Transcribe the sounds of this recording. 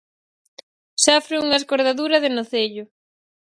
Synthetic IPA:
safɾeuŋɐeskoɾðaðuɾɐðɪnoθeʎʊ

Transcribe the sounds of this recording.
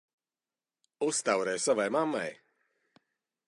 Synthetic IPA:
ust̪awɾɛjsavajmamːa̰j

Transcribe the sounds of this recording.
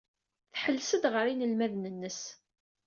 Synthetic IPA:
θħəlːsəd̪ʁəɾinəlmæðnənːəs

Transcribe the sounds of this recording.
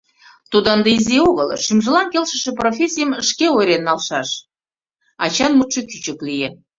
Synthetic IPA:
t̪ud̪ənd̪əizioɣəlʃymʒəlɑnkelʃə̆ʃĕprofʲesʲijəməʃkeojɾenːɑlʃɑʃ | ɑt͡ɕɑnmut̪ʃekyt͡ɕə̆klije

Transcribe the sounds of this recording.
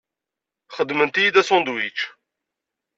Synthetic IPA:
χəd̪mənt̪ijid̪æsɔ̃nd̪wit͡ʃ

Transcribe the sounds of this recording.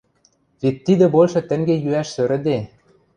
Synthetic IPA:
βet̪ːid̪ɘ̆bolʲˠʃɤ̆t̪ɘ̆ŋɡejyæʃsø̆ɾɘ̆d̪e

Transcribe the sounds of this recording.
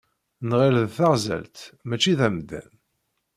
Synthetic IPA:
nʁɪlðθaʁzæ̰lt̪mæt͡ʃːiðæmd̪æ̰n

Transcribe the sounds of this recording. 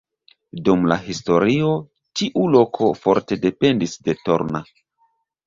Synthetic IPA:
dumla̰ɦisto̞ɾio̞ | tiʔulo̞kʰo̞fo̞ɾte̞de̞pe̞ndisde̞to̞̰ɾna̰

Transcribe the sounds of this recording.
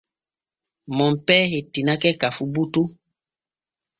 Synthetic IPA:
mɔmpɛɦetinakɛkafubutu

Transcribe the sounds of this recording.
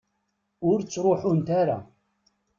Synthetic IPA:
ʊɾt͡sːɾˤoħʊnt̪aɾa̰

